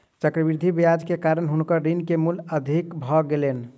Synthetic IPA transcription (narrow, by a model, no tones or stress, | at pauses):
t͡ʃəkɾəbiɾd̪ʱibijad͡ʒkekaɾənɦunkəɾinkemuləd̪ʱikbʱɔɡelen